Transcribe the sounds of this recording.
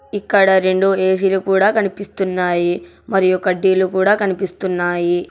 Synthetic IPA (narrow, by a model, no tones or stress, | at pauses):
ikːɐɽɐɾe̞ɳɖueːs̬ilukuːɽaːkɐnipist̪unːaːji | mɐɾijukɐɖːilukuːɽaːkɐnipist̪unːaːji